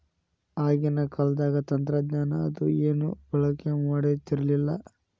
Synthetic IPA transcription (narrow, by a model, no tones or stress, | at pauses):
aːɡinɐkɐlɐd̪aːɡɐt̪ɐnt̪ɾɐd̪ɲaːnɐːd̪ueːnub̥ɐɭɐkːemaɽet̪iɾɐlilːɐ